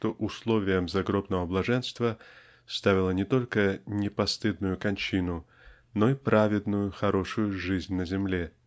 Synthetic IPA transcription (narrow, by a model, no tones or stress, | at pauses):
ʂt̪o̞ʔʊslˠo̞vʲɪjəmzɐɡɾo̞bnəvəblˠɐʐɛnst̪və | st̪avʲɪlˠənʲɪt̪o̞lʲkənʲɪpɐst̪ɨd̪nʊjʊkɐnʲt͡ɕinʊ | no̞ipɾʔavʲɪd̪nʊjʊxɐɾo̞ʂʊjʊʐɨzʲnʲnəzʲɪmlʲe